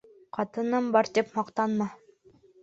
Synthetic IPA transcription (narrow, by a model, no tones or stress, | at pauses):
qʰɑt̪ɤ̆nɤmbɑɾt̪epmɑqt̪ɑnmɑ